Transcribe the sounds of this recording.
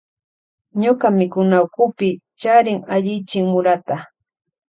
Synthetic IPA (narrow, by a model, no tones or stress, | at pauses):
ɲokamɪkʊnaʊkʊpɪ | t͡ʃaɾɪŋaʎɪjt͡ʃɪŋmʊɾat̪a